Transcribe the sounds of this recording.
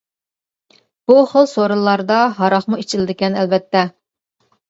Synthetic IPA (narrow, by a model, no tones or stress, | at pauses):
b̥uχəlˠsoɾɨlˠːɑɾd̪ɑɦɑɾɑχmuit͡ʃʰɪlɪd̪ɪkʲɛnɛlvɛt̪ʰːɛ